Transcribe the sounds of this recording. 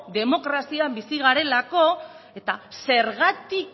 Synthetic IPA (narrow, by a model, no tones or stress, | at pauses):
d̪e̞mo̞kɾasiambisiɣ̞aɾe̞lako̞ | e̞t̪ase̞ɾɣat̪ik